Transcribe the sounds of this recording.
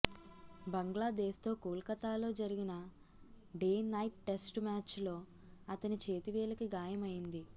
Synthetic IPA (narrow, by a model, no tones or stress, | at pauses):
bɐŋɡɭaːd̪eːʃt̪o̞ːkuːlkɐt̪aːlo̞ːd͡ʒɐɾiɡinɐ | ɖeːnɐjʈ̚ʈe̞sʈmaːt͡ʃlo̞ː | ɐt̪ɐnit͡ʃe̞ːt̪iʋɛːlɐkiɡaːjɐmɐjind̪i